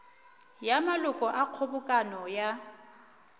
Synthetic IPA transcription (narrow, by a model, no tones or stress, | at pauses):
jamalʊkʼɔʔaq͡χʰʊbʊkʼanɔja